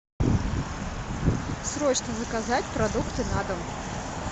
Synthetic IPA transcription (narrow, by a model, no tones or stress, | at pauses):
sɾɔt͡ʃnɐzɐkazat͡sʲpɾad̪ukt̪ɨnad̪ɐm